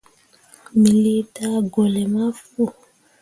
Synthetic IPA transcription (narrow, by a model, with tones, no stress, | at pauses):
mi˨li˦ta˦ɡo˨lɛ˨ma˦fu˦˨